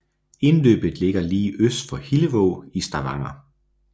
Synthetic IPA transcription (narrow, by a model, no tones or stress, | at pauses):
e̝nlø̰ːb̥ð̩ˠle̝ɡ̥ɐliːʔøsd̥fɒ̽hiləʋɔʊisd̥ɑ̈ʋɑ̈ŋɐ